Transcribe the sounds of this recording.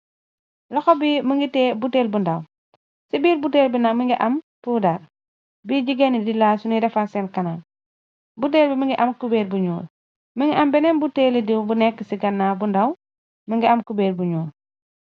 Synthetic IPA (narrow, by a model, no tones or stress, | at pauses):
lɐxɔbiməŋɡitɛːbuteːlbundaw | sibiːɾbuteːlbinamiŋɡiʔam | puːdaɾ | biɟiɡenidilaːsuniɾɛfasɛnkɐnan | but̬eːlbimiŋɡiʔamkubeːlbuɲuːl | miŋɡiʔambɛnɛnbuteːlidiwbunɛkːəsiɡɐnːaːbundaw | məŋɡiamkubeːlbuɲuːl